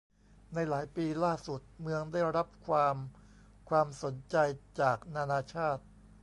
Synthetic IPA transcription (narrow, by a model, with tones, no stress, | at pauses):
na˧jlaː˩˦jpiː˧laː˥˩su˨˩t̪̚mɯ˧əŋda˥˩jɾa˦˥p̚kʰwaː˧m | kʰwaː˧mso˩˦nt͡ɕa˧jt͡ɕaː˨˩k̚naː˧naː˧t͡ɕʰaː˥˩t̪̚